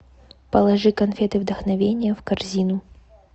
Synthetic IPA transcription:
pɐlˠɐʐɨkɐnfʲet̪ɨvd̪əxnɐvʲenʲɪjəfkɐrzʲinʊ

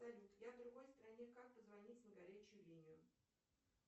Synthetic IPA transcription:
sɐlʲut̪javd̪ɾʊɡo̞jst̪ɾɐnʲekak̚pəzvɐnʲitʲnɪɡɐɾʲæt͡ɕɪjʊlʲinʲɪjʊ

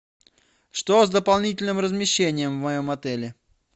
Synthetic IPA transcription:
ʂt̪ozd̪əpɐlˠnʲitʲɪlʲnɨmrəzmʲɪɕːenʲɪjəmvmɐjomɐt̪ɛlʲɪ

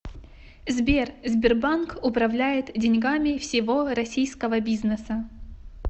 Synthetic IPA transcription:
zbʲerzʲbʲɪrbankʊpɾɐvlʲæjɪt̪dʲɪnʲɡamʲɪfsʲɪvo̞ɾɐsʲijskəvəbʲiznəsə

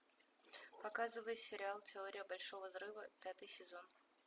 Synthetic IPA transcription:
pɐkazɨvəjɪsʲɪɾʲɪalˠtʲɪo̞ɾʲɪjəbɐlʲʂo̞vəzɾɨvəpʲat̪ɨjsʲɪzo̞n

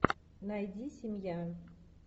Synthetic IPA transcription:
najdisimjan

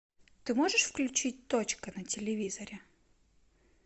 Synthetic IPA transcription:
t̪ɨmoʐɨʂfklʲʉt͡ɕit̚ʲt̪ot͡ɕkənətʲɪlʲɪvʲizəɾʲɪ

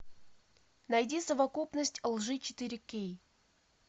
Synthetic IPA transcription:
nɐjdʲisəvɐkupnəsʲtʲlˠʐɨt͡ɕɪ̥t̪ɨɾʲɪkʲej

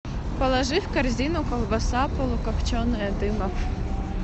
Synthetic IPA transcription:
pɔlˠɐʒɪwkɐrzʲinʊkɔlˠbɐsɑpɔlˠʊkɐpt͡ʃɔnɪɐd̪ɪmɐf

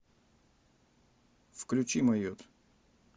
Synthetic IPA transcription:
fklʲʉt͡ɕimɐjot̪

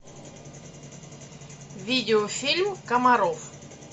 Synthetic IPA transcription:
vʲidʲɪofʲilʲmkəmɐɾof

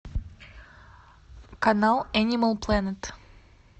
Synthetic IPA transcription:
kɐnalˠænʲɪməlˠplˠanʲət̪

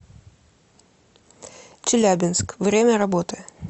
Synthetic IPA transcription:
t͡ɕɪlʲæbʲɪnskvɾʲemʲəɾɐbot̪ɨ

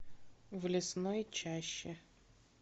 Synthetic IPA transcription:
vlʲɪsnojt͡ɕæɕːɪ

